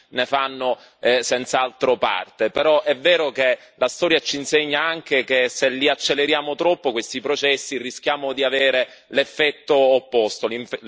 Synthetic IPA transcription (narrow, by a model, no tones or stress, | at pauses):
nefanːo | sɛnt̪saalt̪ɾopa̰rt̪epeɾɔʔɛvːeːɾoke | last̪ɔːɾjat͡ʃinseɲːaaŋk̟ekeselːiat͡ʃːelːeɾjaːmot̪ɾɔpːokwest̪ipɾot͡ʃɛsːirisk̟jaːmod̪iaveːɾe | lefːɛt̪ːoːpːost̪oliɱf